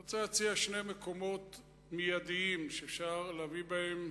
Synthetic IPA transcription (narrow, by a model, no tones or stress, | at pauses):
ot͡selat͡siaʃne̞meko̞mo̞t | mijad̪iimʃeːfʃaʁleavibahem